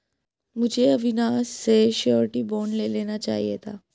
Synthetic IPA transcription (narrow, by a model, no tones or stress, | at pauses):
mʊd͡ʒʱeɐʋɪnaːsːeʃɔːɾʈiboːnleleːnat͡ʃa̰ːɦḭet̪ʰaː